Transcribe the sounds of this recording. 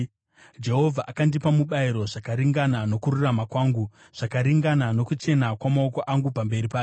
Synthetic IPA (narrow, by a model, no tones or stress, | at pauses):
d͡ʒe̞ɦo̞vʱaʔakandipamuɓaiɾo̞ʐakaɾiŋɡanano̞kururamakwaːŋɡu | ʐ̥akaɾiŋɡanano̞kut͡ʃe̞nakwamaoko̞ʔaŋɡupambe̞ɾipaːj